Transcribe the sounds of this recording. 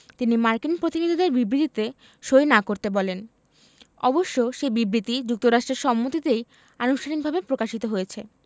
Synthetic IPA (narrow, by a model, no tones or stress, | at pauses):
t̪inimaɾkinpɾot̪inid̪ʱid̪eɾbibɾit̪it̪e | ʃojnakoɾt̪ebɔlen | ɔ̰boʃːoʃebibɾit̪id͡ʑuk̚t̪oɾaʃʈɾeɾʃɔmːot̪it̪ej | anuʃtʰaniɡ̚bʱabepɾokaʃit̪oɦojet͡ɕʰe